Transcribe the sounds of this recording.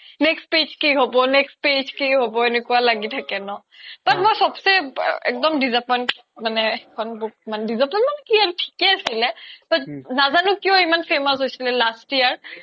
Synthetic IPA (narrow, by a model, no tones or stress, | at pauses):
nɛkstped͡ʒkiɦobɔnɛkst̚pezkiɦobɔenekualaɡitʰakɛnɔ | batmojsɔbsɛ̰ɛ̰k̚dɔmdizap̚man | manɛɛkʰɔnbɔmanɛdizapnanmanɛkiaɹutʰi̥kɛasilɛtɔnazanʊkijɔimanpʰemɔsɦojsilɛlastiaɹ